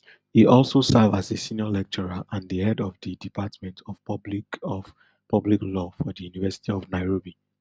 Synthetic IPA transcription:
iɔlˠsosɛvazesiniɔlɛk̚t͡ʃəɹaʔãndihɛdɔvdidipʰatmɛ̃ntʰɔvbli | pʰʌbliklɔfɔdijunivɛsi̥tʰiɔvnaɪɹobi

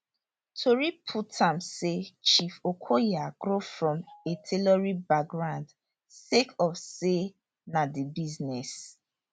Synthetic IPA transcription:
tʰoɹipʰutʰãmset͡ʃifokʰojaɡɹofɹɔ̃metʰelɔɹibak̚ɡɹãnd | sekʰɔfse | nadibiznɛs

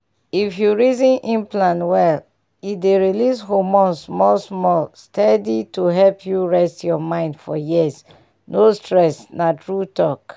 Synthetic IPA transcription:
ifjuɹizĩnʔĩnplãnwɛl | ideɹilishomɔ̃nsmɔlsmɔlstʰɛdituɦɛlpʰjuɹɛstjɔmãɪ̃ndfɔjiz | nostɹɛsnatɹutɔk

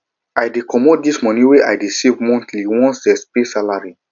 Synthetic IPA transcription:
ajdikʰɔmod̚dismɔnĩweʔajdisivmɔ̃ntliwɔ̃nsdɛspisalaɹi

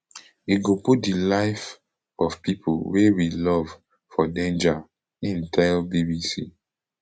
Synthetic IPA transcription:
iɡoput̚dilaɪf | ɔv̥pipʰṵwewilɔv | fɔdẽnd͡ʒa | ĩntʰɛlbibisḭ

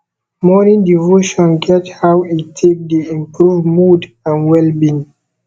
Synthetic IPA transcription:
mɔnĩndivoʃɔ̃nɡɛthawitʰek̚diĩmpɹuvmud | ãnwɛlbĩn

